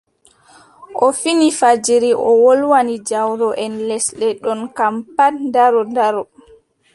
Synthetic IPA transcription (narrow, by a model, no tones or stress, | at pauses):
ʔɔfinifad͡ʒiɾiʔɔwolwanid͡ʒawɾɔʔɛnlɛsɗɛɗɔnkampandaɾɔndaɾɔ